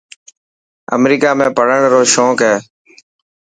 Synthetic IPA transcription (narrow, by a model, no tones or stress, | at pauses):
ə̰mɾiːkaːmẽːpəɽ̤əɳɾoːʃoːkɦɛː